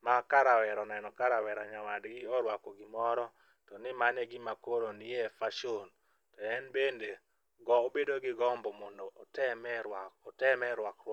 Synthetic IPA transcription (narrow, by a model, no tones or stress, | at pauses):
makaɾawɛɾɔnɛnɔkaɾawɛɾaɲawadɡɪɔɾwakɔɡɪmɔɾɔ | tɔnɪmanɛɡɪmakoɾonɪjɛfaʃon | tɔɛnbende | ɡɔobedoɡɪɡɔmbɔmɔndɔtɛmɛwɔtɛmɛɾwakr